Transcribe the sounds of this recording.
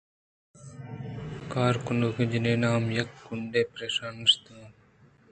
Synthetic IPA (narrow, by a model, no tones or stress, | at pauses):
kaːɾkʊɳɖoːked͡ʑineːnaːmjɐkːʊɳɖeːpɾeːʃaːnəst̪õː